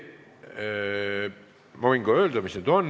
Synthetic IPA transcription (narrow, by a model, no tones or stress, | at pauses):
mɑʋiŋɡ̥ɑøːld̪æmisned̪on